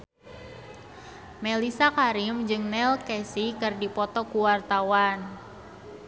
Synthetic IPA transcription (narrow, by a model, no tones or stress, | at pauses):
melisakaɾimd͡ʒɨŋnɛlkɛsikɨrdipɔt̪ɔkuwart̪awan